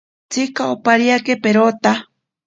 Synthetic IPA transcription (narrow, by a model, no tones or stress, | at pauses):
t͡sikaopaɾiakepeɾot̪a